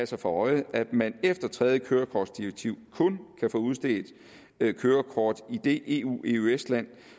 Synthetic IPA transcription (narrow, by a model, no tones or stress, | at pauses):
æsɐfɒ̽ɒ̽ɪæd̥mænefd̥ɐt͡sʰʁɛð̞ˠjəkʰøːɐkʰɒːd̥sd̥iʁɐɡ̥̚t͡sʰiʊ̰kʰɔ̽nkʰæfɔ̽ːuð̞ˠsd̥e̝̰ːd̥ | kʰøːɐkʰɒːd̥id̥e̝ʔe̝̰ːṵːe̝uesd̥læn̰